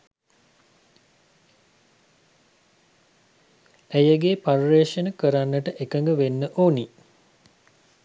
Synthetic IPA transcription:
æjəɡepaɾɾeːʃənəkəɾanːəʈəʔekəŋɡəʋenːəʔoːni

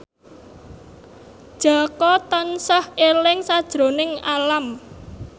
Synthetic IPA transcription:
d̥ʒ̥a̤kɔt̪ənsəhelɪŋsad̥ʒ̥ɾo̤nɪŋalam

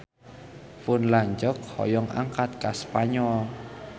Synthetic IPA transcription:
pʊnlaɲd͡ʒɔk̚hɔ̰jɔŋa̰ŋkat̪̚kaspaɲɔl

